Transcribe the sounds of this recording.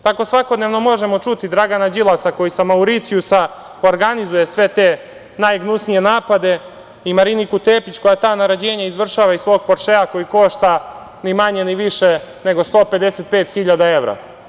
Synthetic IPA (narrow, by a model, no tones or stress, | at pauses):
t̪ako̞sʋako̞d̪neʋno̞mo̞ʒemo̞t͡ʃut̪id̪ɾaɡanad͡ʑilˠasako̞jisamauɾit̪sijusa | oɾɡanizuje̞sʋe̞t̪eː | najɡnusnije̞naːpad̪e̞ | imaɾinikut̪eːpit͡ɕko̞jat̪aːnaɾad͡ʑe̞ːɲaizʋr̩ʃaːʋaisʋo̞ːɡ̚poɾʃeako̞jiko̞ʃt̪a | nimaɲeniʋiʃene̞ɡost̪o̞ːpe̞d̪e̞set̪̚pe̞ːt̪xiʎad̪ae̞ʋɾa̰